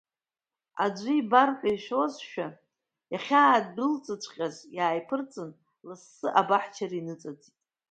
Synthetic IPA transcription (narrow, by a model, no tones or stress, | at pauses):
ad͡ʒʷibarħʷajʃozʃᶣa | jaχʲaːd̚dɨlt͡sʼɨt͡ɕʷʰʼqʲʼazjaːjpʰɨrt͡sʼɨn | lasːɨʔabaħt͡ʃʰaɾinɨt͡sʼad͡ztʼ